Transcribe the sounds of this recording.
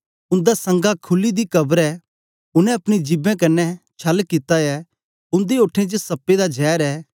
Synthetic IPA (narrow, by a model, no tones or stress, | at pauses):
ʊ̃nd̪asɐ̃ŋɡakʰʊlːid̪ikɐbəɾɛ | ʊnɛ̃ɐpɽ̃id͡ʒɪbɛ̃kɐnːɛt͡ʃʰɐlkɪt̪aɛː | ʊ̃nd̪eoːʈʰẽt͡ʃəsɐpːed̪ad͡ʒɛːɾɛː